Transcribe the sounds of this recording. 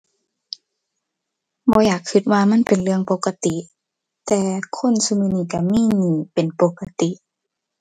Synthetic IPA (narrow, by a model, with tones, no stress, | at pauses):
bɔː˧˦jaː˨˩kʰːɯ˧˩t̪̚waː˧ma˧˥˨npe˨nlɯ˧˨əŋpo˧˦ka˧t̪i˧˨ʔ | t̪ɛː˧kʰo˧˥˨nsu˧mɯː˧˨niː˧˩˨ka˧˩miː˧˥˨niː˧˩pe˨npo˧˦kːa˧t̪i˧˨ʔ